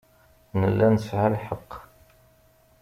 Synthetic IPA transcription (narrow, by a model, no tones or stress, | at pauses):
nəlːænəsʕalħəqː